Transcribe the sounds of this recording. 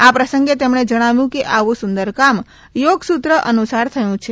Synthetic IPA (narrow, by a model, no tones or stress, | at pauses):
apɾəsəŋɡet̪emɳed͡ʒəɽ̃aʋjũkeʔaʋũsund̪əɾkam | joɡsut̪ɾəʔənusaɾt̪ʰəjũt͡ʃʰe